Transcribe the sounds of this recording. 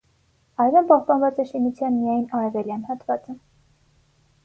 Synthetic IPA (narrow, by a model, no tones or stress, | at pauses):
ɑjvɛmpɑhpɑnvɑt͡sɛʃinut͡sʰjɑnmijɑjnɑɾɛvɛljɑnhɑt̪vɑt͡sə